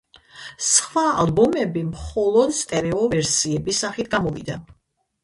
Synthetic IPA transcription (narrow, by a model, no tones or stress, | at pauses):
sχwa̰ːlˠbɔmɛbimχɔlˠɔd̪st̪ʼɛɾɛɔvɛɾsiɛbisːaχit̪ʰɡamɔvḭd̪a